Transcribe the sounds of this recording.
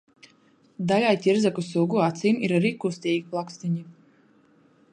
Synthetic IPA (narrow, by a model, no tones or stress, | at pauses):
d̪alʲajt̪ʲiɾzakusuɡuat̪siːmiɾaɾiːkust̪ʲiːɡʲiplˠakst̪iɲi